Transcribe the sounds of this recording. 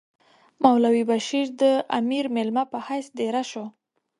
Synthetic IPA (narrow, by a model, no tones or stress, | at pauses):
mawlawibaʃiɾd̪əa̰miɾmelmapəhajsd̪eɾaʃo